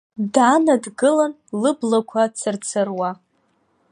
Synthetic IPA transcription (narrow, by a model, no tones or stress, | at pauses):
daːnadɡɨlan | lɨblakʷʰat͡sʰɨrt͡sʰɨrwa